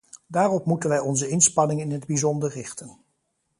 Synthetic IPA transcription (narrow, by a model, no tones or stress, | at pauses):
daːrɔpmutənʋɛjɔnzəɪnspɑnɪŋɪnɦədbizɔndərrɪχtən